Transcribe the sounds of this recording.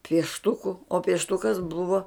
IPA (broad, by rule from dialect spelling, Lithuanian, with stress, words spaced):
pʲiɛʃˈtʊkʊ oː pʲiɛʃˈtʊkɐs ˈbʊʋoː